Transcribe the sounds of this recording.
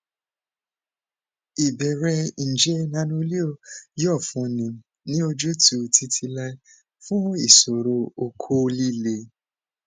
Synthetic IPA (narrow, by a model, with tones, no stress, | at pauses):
i˨bɛ˨ɾɛ˧˨d͡ʒɛ˦nã˨˦nũ˧˦li˦o˧˨jɔ˦˨fũ˧˨nĩ˨ | nĩ˦o˧d͡ʒo˦tu˨tʰi˧tʰi˧la˧i˦ | fũ˦i˦˨so˨ɾo˧o˨kʰo˦˧li˦le˨